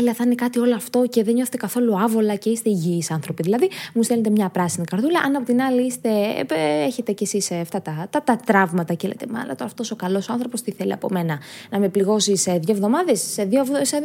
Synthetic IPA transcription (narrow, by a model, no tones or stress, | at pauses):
eliɐθɐnekɐt̪io̞loɐft̪o̞ce̞ðeɲoθet̪e̞kɐθo̞luɐvo̞lɐce̞ist̪e̞iʝiːsɐnθɾo̞piðilɐðimust̪elet̪e̞mɲɐpɾɐsinikɐɾðulɐʔɐnɐpo̞t̪inɐliist̪e̞eçe̞t̪e̞ce̞sisɐft̪ɐt̪ɐt̪ɐt̪ɐt̪ɾɐvmɐt̪ɐcelḛt̪emɐlɐ̰t̪oɐft̪o̞so̞kɐlo̞soɐnθɾo̞po̞st̪iθe̞lḭɐ̰po̞̰me̞nɐnɐme̞pliɣo̞siseðjoevðo̞mɐðe̞sːeðiovse